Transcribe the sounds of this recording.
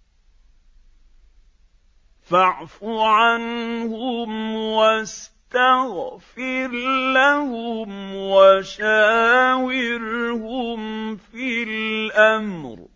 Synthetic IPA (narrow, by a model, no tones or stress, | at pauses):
faʕfʊʕanhʊmwast̪aɣfɪɾlahʊmwaʃaːwɪɾhʊmfillʔamɾ